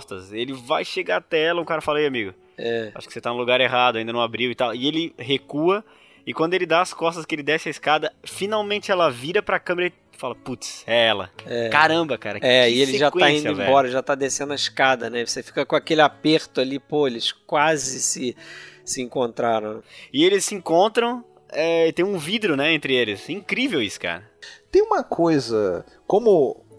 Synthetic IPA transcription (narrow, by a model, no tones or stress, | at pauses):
st̪ɐselɪvajʃeɡaɾat̪ɛɛlɐũkaɾɐfalɐiamiɡʊ | ɛa̰ʃʊ̥kɪ̥set̪anũluɡaɾeɦad̪ʊaĩd̪ɐnɐ̃abɾiwɪt̪awɪelɪɦekuɐ | ɪkwɐ̃d̪ʊelɪd̪aɐskɔst̪ɐskɪelɪd̪ɛsɪɐiskad̪ɐfinawmẽnt͡ʃɪɛlɐviɾɐpɾɐkɐ̃meɾɐ | falɐput̪sɛɛlɐ̰ɛkaɾɐ̃bɐkaɾɐkɛɪelɪeʒakw̪ãĩsd̪ʊẽvɛ̃bɔɾɐʒat̪ad̪esẽnd̪ʊɐiskad̪ɐnɛvosefi̥kɐkõakelɪapeɾt̪ʊalipoelɪskwazɪsɪsɪẽkõnt̪ɾaɾɐ̃w̃nɪelɪssɪĩkõnt̪ɾɐ̃w̃ | ɛɪt̪ẽj̃ũvid̪ɾʊnɛẽnt̪ɾɪelɪsĩkɾivewisʊ̥ka̰ɾɐt̪ẽj̃ũmɐkʰojzɐ | kõmʊ